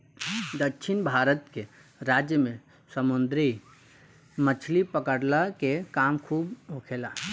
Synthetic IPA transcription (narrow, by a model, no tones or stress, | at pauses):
d̪əkʃʰɪnbʱaːɾət̪ke | ɾaːd͡ʒjəmẽ | səmʊnd̪ɾi | mət͡ʃʰlipəkəɽlakekaːmkʰuːbokʰela